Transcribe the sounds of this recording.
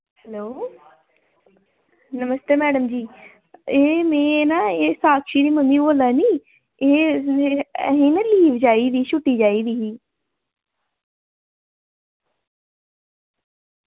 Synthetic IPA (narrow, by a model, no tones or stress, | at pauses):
hɛloː | nəməst̪eːmɛːɖəmd͡ʒiː | eːmẽːnaːeːsaːkʰʃiːɾiːməmːiːboːlaːniː | eː | ɦĩːnaːliːʋd͡ʒaːiːd̪iːʃʊʈːiːd͡ʒaːiːd̪iːɦiː